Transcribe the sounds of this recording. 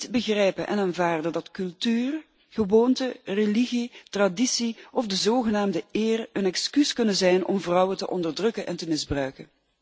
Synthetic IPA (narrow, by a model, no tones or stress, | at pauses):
tbəɣrɛjpəʔɛ̰naːnvaːrdədɑtkɵlˠtyːr | ɣəʋoːntəreliɣitradisiɔvdəzoːɣənaːmdəɪːrənɛkskyskɵnənzɛjnɔ̰mvrɑwətəʔɔndərdrɵkənʔɛ̰ntəmɪzbrœɥkən